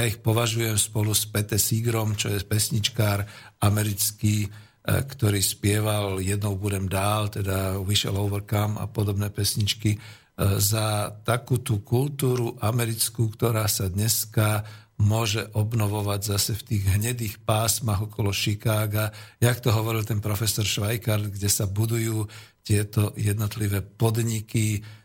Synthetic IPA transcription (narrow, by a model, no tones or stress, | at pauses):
jaixpɔʋaʒujɛmspɔluspɛt̪ɛsiɡɾɔmt͡ʃɔjɛpɛsɲit͡ʃkaːɾ | amɛɾit͡skiː | kt̪ɔɾiːspɪɛʋaljɛd̪nɔʊbuɾɛmd̪aːlt̪ɛd̪aʋiʃɛ̰lɔʊʋrkama̰pɔd̪ɔbnɛːpɛsɲit͡ʃki | zat̪akuːt̪ukult̪uːɾuʔamɛɾit͡skuːkt̪ɔɾaːsad̪ɲɛska | mʊɔʒɛʔɔbnɔʋɔʋaɟzasɛft̪iːɣɦɲɛd̪iːxpaːsmaɣɔkɔlɔʃikaːɡajakt̪ɔɦɔʋɔɾilt̪ɛnpɾɔfɛsɔɾʃʋajkaɾd̪ɡɟɛsabud̪ujuːt̪ɪɛt̪ɔjɛd̪nɔt̪liʋɛːpɔd̪ɲiki